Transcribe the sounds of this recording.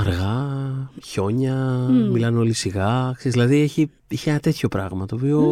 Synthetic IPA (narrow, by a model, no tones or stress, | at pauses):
ɐɾɣɐ | ço̞ɲɐmilɐno̞lisiɣɐkseszðilɐðieçi | eçienɐt̪e̞t̪ço̞pɾɐ̰ɣmɐt̪o̞ːpio̞